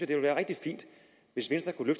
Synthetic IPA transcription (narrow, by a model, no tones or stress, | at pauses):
ɐd̥e̝ʋelʋæːɐʁɛɡ̥̚d̥ifḭːn̰d̥ | ʋe̝sʋensd̥ʁɐkʰuløfd̥